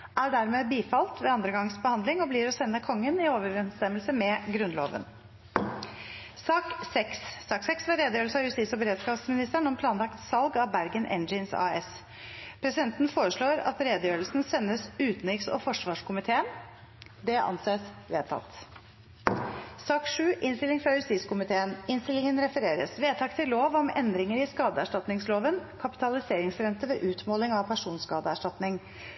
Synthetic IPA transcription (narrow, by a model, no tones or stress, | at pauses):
ʔæɖæɾmeːbiːfɑlt̪ʋɛɑnd̪ɾəɡɑŋsbəhɑnd̪lɪŋɔbliːɾɔsɛnːəkʰɔŋːənɪoːʋəɾɾɛnst̪ɛmːəlsəmɛɡɾʉnlo̰ːʋə̰n | sɑːksɛksːɑːksɛksʋɑɾeːd̪əjøːɾəlsɑjʉst̪ɪsɔbəɾeːd̪skɑːʋsmɪnɪst̪əɳɔmpʰlɑːnlɑkt̪sɑlɡɑbæɾɡənʔɛ̰nd͡ʒɪnsɑ̰ːɛs | pʰɾɛsɪd̪ɛnt̪n̩foːɾəʂɭoːɾɑ̰t̪ɾeːd̪əjøːɾəlsnsɛnːəsʉːt̪nɪksɔ̰fɔʂʋɑːʂkʰʊmɪt̪ʰeːən | d̪ɛʔɑ̰nseːsʋeːt̪ʰɑ̰t̪ː | sɑːkʂʉːʔɪnst̪ɪlɪŋfɾɑʉsiːskʰʊmɪt̪ʰeːənɪnst̪ɪlɪŋənɾɛfəɾeːɾə̰sʋeːt̪ʰɑkt̪ʰɪloːʋɔmɛ̰nd̪ɾɪŋəɾɪskɑːd̪əæʂʈɑt̪nɪŋsloːʋənkʰɑpɪ̥t̪ʰɑlɪseːɾɪŋsɾɛnt̪əʋɛːʔʉːt̪moːlɪŋɑpʰæʂuːnskɑːd̪əæʂʈɑt̪nɪŋ